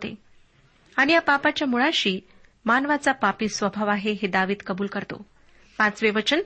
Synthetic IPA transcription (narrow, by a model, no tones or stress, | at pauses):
t̪ḛ | aɽ̃ijapapat͡ɕjamuɭaɕiː | manʋat͡sapapiːsʋəbʱaʋaɦeɦed̪aʋiːt̪kəbuːlkəɾt̪o̰ | pãt͡sʋeʋət͡ɕən